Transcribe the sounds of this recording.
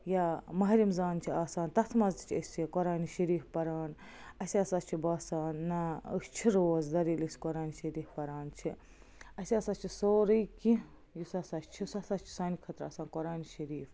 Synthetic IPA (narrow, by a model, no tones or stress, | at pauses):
jamɐɦɾimzaːnt͡ʃʰiaːsaːnt̪ɐt̪ʰmɐzt̪t͡ʃʰɐsʲekɔɾaːniʃɐɾiːfpɐɾaːn | ɐsʲɐsat͡ʃʰibaːsaːnːaə̰st͡ʃʰiɾoːzd̪ɐɾiːlisʲkɔɾaːniʃɐɾiːfpɐɾaːnt͡ʃʰi | ɐsʲɐsaːt͡ʃʰisoːɾɨjki | jisɐsat͡ʃt͡ʃʰisɐsat͡ʃʰi̥saːnikʰɐt̪ɾa̰ːsaːnkɔɾaːniʃɐɾiːf